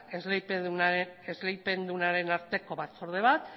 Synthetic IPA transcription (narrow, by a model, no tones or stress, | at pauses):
ezlepeezle̞jpe̞nd̪unaɾe̞naɾt̪e̞ko̞βat͡so̞ɾð̞e̞β̞at̪̚